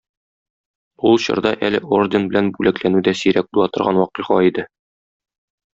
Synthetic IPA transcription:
ulˠɕɤ̰̆ɾd̪ɑʔælɘʔordʲenbɘ̆lænbʉlæklænʉd̪æsiɾæk̚bulˠɑt̪ŏɾʁɑnwɒqiχɑ̰id̪ɘ

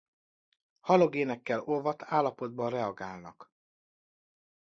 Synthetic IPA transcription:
hɒloɡeːnɛkːɛlovɒt̪ʰaːlːɒpo̞d̪̚bɒrɛɒɡaːlnɒ̰k

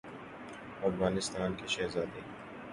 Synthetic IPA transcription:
ɐfɣaːnɪst̪aːnkeʃɛːɦzaːd̪e

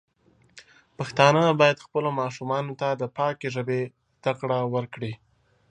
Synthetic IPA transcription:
paxt̪ɑnəbɑjad̪xpəlomɑʃumɑnot̪ad̪əpɑkeʒəbe | zd̪̥aqɽawəɾkɽi

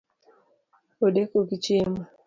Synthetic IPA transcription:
odekoɡit͡ʃema

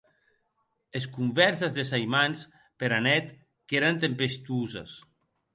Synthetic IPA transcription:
eskumvɛɾsezðesajmans | peɾanɛt̪ | keɾant̪empest̪uzḛs

